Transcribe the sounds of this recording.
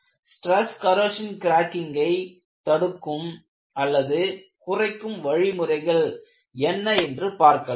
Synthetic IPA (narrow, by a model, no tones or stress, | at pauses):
sʈɾɛskɐɾoːʂɐnkɪɾaːkɪŋɡɐɪ | t̪ɐɽɯkːɯm | ɐlːɐðɯ | kʊrɐɪkːɯmʋɐɻɪmɯrɐɪɣɐɭ | ɛnːɐɛndrɯpaːɾkɐ